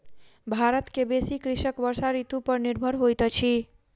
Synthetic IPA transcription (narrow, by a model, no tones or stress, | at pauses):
bʱaɾət̪kebesikɾisəkbəɾsaɾit̪upəɾniɾbʱəɾɦojt̪t͡ʃʰi